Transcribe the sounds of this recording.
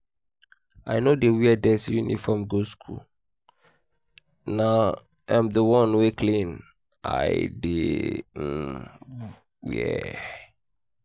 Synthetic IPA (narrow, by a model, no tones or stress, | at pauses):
a̰ɪnodewiɛdɛsjunḭfɔmɡoskʰṵl | na | ãmdəwɔ̃nwekʰlĩn | a̰ɪdḛm̩ | wɛ̰